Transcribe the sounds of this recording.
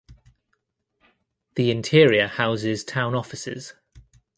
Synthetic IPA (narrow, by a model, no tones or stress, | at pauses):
ðiɪ̃ntʰɪəɹiəhaʊzɪz̥tʰãʊ̃nɒfɪsɪ̰z̥